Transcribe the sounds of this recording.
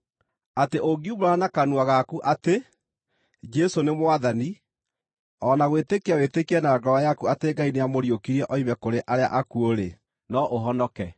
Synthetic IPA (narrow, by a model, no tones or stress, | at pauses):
ateʔoɡiuboɾanakanwaɣakuʔate | d͡ʒɛsonemwaðani | ɔnaɣwetekeawetekiɛnaɡɔwajakuateɡainejamoɾjokiɾiɛʔɔimɛkoɾeʔaɾea̰ʔakuoɾe | nɔʔoɦɔnɔkɛ